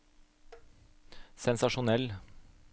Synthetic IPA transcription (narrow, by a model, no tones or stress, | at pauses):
sɛnsɑʂʊnɛlː